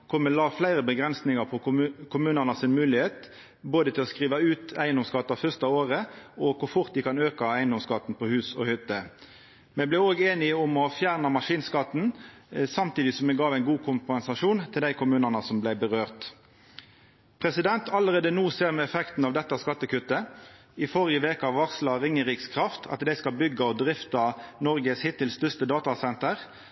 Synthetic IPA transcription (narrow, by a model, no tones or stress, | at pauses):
kʰɔməlɑːflæɪʁəbəɡʁɛnsnɪŋɑʁpʰɔkʰʊmʉːnənəsɪnmʉːlɪheːt̪ | boːd̪ət̪ʰɪlɔskʁiːʋɑʉːt̪æɪənd̪ɔmskɑt̪ːɑfœʁst̪ɑoːʁəɔkʰʊʁfʊʁt̪̚d̪ɪkʰɑnøːkɑæɪənd̪ɔmskɑt̪ːn̩pʰɔhʉːsɔ̰hʏt̪ːə | mɛɪblɪoːɡeːnɪʊmɔfjæːʁnɑmɑʂiːnskɑt̪n | sɑmt̪iːd̪ɪsɔmːɛɡɑːʋæɪnɡuːkʰʊmpɛnsɑʂuːnt̪ʰɪld̪æɪkʰʊmʉːnɑnəsɔmblæɪbəʁøːʁt̪ | pʰʁɛsɪd̪ɛnt̪ʰɑləʁeːd̪ənuːseːʁmɛɛfɛkt̪n̩ɑːʋd̪ɛt̪ːɑskɑt̪ːəkʉt̪ːə | ɪfɔʁɪəʋeːkəɑʋɑʁslɑʁɪŋːəʁiːkskʰʁɑft̪ʰɑ̰t̪d̪æɪskɑlbʏɡːɑɔd̪ʁɪft̪ɑnɔʁɡəshɪt̪ɪlst̪ʏst̪əd̪ɑːt̪ɑsɛnt̪əʁ